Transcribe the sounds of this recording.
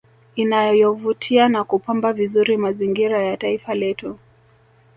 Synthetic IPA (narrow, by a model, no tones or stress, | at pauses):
inajɔvutʰianakupambavizuɾimaziŋɡiɾajataifalɛtu